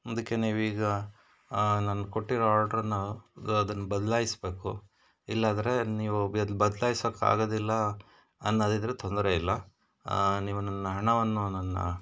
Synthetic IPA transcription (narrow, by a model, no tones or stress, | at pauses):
ɐd̪ɐkːe̞niːʋuiːɡɐ | nanːɐko̞ʈːiɾɐaːlʈɐɾɐnːuɐd̪ɐnːɐbɐd̪ɐlaːjisbe̞ːku | ilːaːd̪ɐɾe̞niːʋubɐd̪ɐlaːjisɐkːa̰ːɡoːd̪ilːɐ | ɐnːɐɐd̪id̪ɐɾet̪ʰo̞nd̪ɐɾeilːɐ | niːʋunɐnːɐɦɐɳɐʋɐnːunɐnːɐ̰